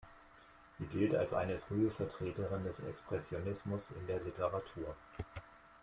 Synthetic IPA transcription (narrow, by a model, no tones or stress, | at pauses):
z̥iːɡɪlta̰lsʔa̰ɪnəfʁ̥yːəfɛɐtʁ̥eːtəʁɪndɛsɛ̰kspʁ̥ɛsjonɪsmʊsɪ̰ndeːɐlɪtəʁatʰuːɐ